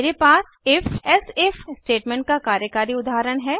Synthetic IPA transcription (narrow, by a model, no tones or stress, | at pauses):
ɾepaːs | ɪfɛsefsʈeːʈmɛ̃ːɳʈ̚kakaːɾjəkaːɾiʊd̪ʱaːɾəɽɦɛː